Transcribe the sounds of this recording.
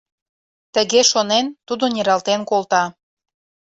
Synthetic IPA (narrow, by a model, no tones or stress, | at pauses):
t̪ə̆ɣeʃonent̪ud̪onʲeɾɑlt̪enkolt̪ɑ